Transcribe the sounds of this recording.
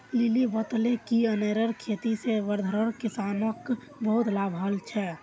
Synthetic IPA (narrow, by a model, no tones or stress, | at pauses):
lilibət̪lekiəneɾəɾkʰet̪iseʋəɾd̪ʱəɾəɾkisanək | bəɦut̪labʱəlt͡ʃʰɛ